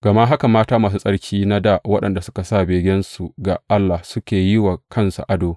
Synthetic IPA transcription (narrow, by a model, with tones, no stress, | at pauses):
ɡ̥ɐ˨ma˦ʔɦa˦ka˨maː˦taː˦maː˨s̬u˦sʼɐ˦ɽkʲʰiː˦na˦da˦˨wɐ˦ɗɐ˨nda˨sʊ˦ka˨saː˦˨beː˨ɡʲɛ˦nsu˨ɡa˨ʔa˦lːa˨sʊ˦kʲeː˨jɪ˦wa˨kʰɐ˦nsa̰˨ʔa˦doː˨